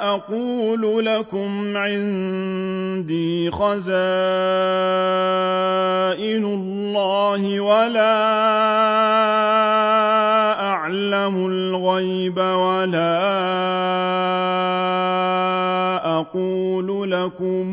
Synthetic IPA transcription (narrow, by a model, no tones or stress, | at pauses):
ʔɑquːlʊlakʊmʕɪn | d̪iːxazaː | ʔɪlʊlːɑːhɪwalaː | ʔaʕ | lamʊl | ɣaj | bawalaː | ʔɑquːlʊlakʊm